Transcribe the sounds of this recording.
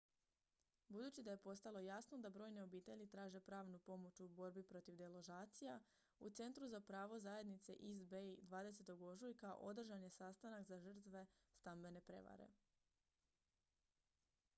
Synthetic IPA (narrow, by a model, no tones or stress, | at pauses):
bud̪uːt͡ɕid̪aje̞po̞st̪alˠo̞jasno̞d̪abɾo̞ːjneo̞biːt̪e̞ʎit̪ɾaːʒe̞pɾaːʋnupo̞mo̞t͡ʃubo̞ɾbipɾo̞t̪iʋd̪elˠo̞ʒaːt̪sija | ut̪se̞nt̪ɾuzapɾaːʋo̞zaje̞d̪nit̪se̞̰ʔizbed̪ʋaːd̪e̞s̬e̞t̪oɡo̞ʒujkaʔo̞d̪r̩ʒanje̞sast̪anakzaʒər̩t̪ʋe̞st̪ambe̞ne̞pɾe̞̰ʋa̰ɾe̞̰